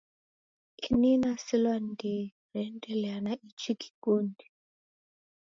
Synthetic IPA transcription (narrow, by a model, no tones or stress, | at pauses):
ininasilwandi | ɾɛndɛlɛanaʔit͡ʃʰiki̥kondi